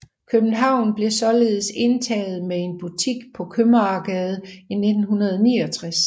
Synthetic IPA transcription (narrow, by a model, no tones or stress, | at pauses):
kʰøb̥n̩ɦɑ̈ʊ̰nb̥le̝sɒ̽le̝ːð̩ˠse̝nt͡sʰɛ̰ːð̞̩ˠmee̝nb̥ut͡sʰiɡ̥pʰɒ̽kʰømɐɑ̈ɡ̥ɛːð̞ˠine̝d̥n̩ɦunɐð̞ˠnḭːɒt͡sʰʁas